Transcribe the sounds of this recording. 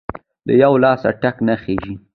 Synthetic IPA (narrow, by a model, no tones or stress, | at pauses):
d̪ə̰jawlɑsa̰ʈaknaxeʒi